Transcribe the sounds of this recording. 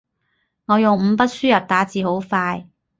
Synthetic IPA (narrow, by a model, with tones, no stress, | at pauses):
ŋɔː˨˧jʊ˨˩ŋm̩˨˧˥pɐ˥t̚syː˥jɐ˨t̚t̪aː˨˥t͡siː˨ɦo˨˥wfaː˧j